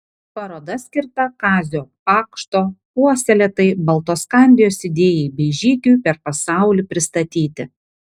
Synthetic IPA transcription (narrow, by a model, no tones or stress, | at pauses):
pɐɾoːd̪ɐsʲkʲɪɾt̪ɐkɑːzʲoːpɑːkʃt̪oːpuɔsʲɛlʲɛːt̪ɐɪbɐlˠt̪oːskɑˑnʲd̪ʲɪjoːsɪd̪ʲeːjɛɪbʲɛɪʒʲiːkʲujpʲɛɾpɐsɑˑʊlʲiːpʲɾʲɪst̪ɐt̪ʲiːt̪ʲɪ